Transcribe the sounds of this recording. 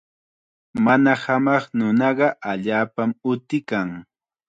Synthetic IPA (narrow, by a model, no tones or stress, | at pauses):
manahamɑχnʊnɑɢɑʔaʎaːpamʊt̪ɪkaŋ